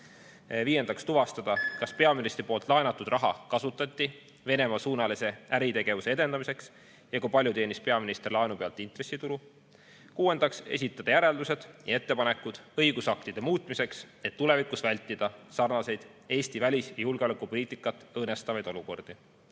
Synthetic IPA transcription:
viːje̞nd̪ɑkst̪uvɑst̪ɑd̪̥ɑkɑspe̞ɑminist̪ɾipo̞ːlt̪ːˑlɑenɑt̪ːˑud̪̥rʔɑɦɑ̰kɑsut̪ːˑɑt̪ʲːi | ve̞ne̞mɑsuːnɑlise̞æɾit̪e̞ɡ̥e̞vuse̞e̞d̪̥e̞nd̪ɑmise̞ks | jɑkujpɑlʲjut̪e̞ːnispe̞ɑminist̪rilɑenupe̞ɑlt̪ːˑint̪resːit̪ulu | kuːe̞nd̪̥ɑkse̞̰s̬ʲit̪ːˑɑd̪̥ɑjæɾe̞ld̪use̞d̪̥jɑ̰e̞t̪ːe̞pɑne̞kːˑud̪̥ɤ̞jɡ̥usɑk̚t̪id̪̥e̞muːt̪ˑmise̞ks | e̞t̪ːule̞vikusvælʲt̪ːˑid̪̥ɑsɑrnɑse̞jd̪̥ | e̞ːsʲt̪ivælʲisjɑjulɡ̥eo̞lekːˑupo̞liːt̪ːˑikːˑɑt̪ːˑɤːne̞st̪ɑvɑjd̪̥o̞luko̞rd̪̥i

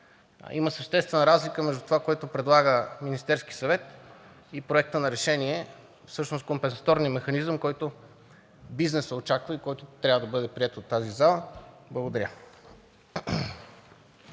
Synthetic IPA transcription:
iməsɐʃt̪ɛst̪vɛnəɾazlikəmɛʒd̪ut̪ovakoɛjt̪opɾɛd̪lˠaɡəminist̪ɛɾskisɐvɛt̪ | ipɾoɛk̚t̪ənɐɾɛʃɛniɛ | fsɤʃnos̚kompɛnsɐ̥t̪ɔɾnijəmɛxɐnizəmkɔjt̪o | biznɛsəot͡ʃakvəikɔjt̪ot̪ɾʲabvəd̪ɐbɤd̪ɛpɾiɛt̪ot̪ːazizalˠəblˠɐɡod̪ɐɾʲə

